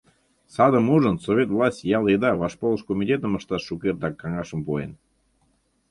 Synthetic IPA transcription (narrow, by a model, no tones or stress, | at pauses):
sɑd̪əmuʒənsovʲet̪vlˠɑsʲtʲjɑlˠed̪ɑβɑʃpolˠəʃkomʲitʲet̪əməʃt̪ɑʃːukert̪ɑkːɑŋɑʃəmpoḛn